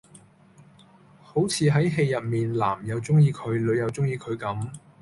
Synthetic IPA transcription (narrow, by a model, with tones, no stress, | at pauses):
ho˨˥wt͡sʰiː˨˧ɦɐ˨˥jɦe˧jːɐ˨t̚miː˨nla̰ː˨˩mjɐ˨˧wt͡sʊ˥ŋjiː˧kʰɵ˨˧ɥlɵ˨˧ɥjɐ˨˧wt͡sʊ˥ŋjiː˧kʰɵ˨˧ɥkɐ˨˥m